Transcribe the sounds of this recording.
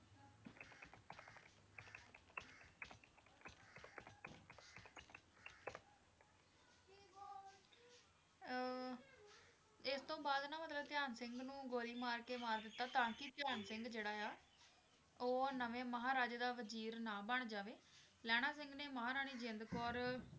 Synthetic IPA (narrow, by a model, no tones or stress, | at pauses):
ɪst̪õːbaːd̪nãːmət̪ləbt̪ɪjaːnsɪŋɡnũːɡoːɾiːmaːɾkeːmaːɾd̪ɪt̪ːaːt̪ãːkɪt̪ɪjaːnsɪŋɡd͡ʒeːɽaːjaː | oːnəʋẽːməɦaːɾaːd͡ʒd̪aːʋəziːɾnãːbəɳd͡ʒaːʋeː | lɛːɽ̃aːsɪ̃ŋɡneːməɦaːɾaːɽ̃iːd͡ʒɪ̃nd̪kɔːɾ